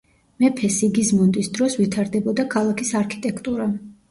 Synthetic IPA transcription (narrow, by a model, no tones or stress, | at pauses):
mɛpʰɛsiɡizmɔnd̪ʼisd̪ɾɔsvit̪ʰaɾd̪ɛbɔd̪akʰalˠakʰisaɾkʰi̥t̪ʼɛkʰt̪ʼuɾa